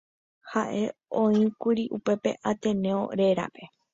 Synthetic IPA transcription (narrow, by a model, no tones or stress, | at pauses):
haʔe̞õĩkuɾiʔupe̞pe̞̰ʔat̪ẽnẽ̞o̰ɾe̞ɾa̰pe̞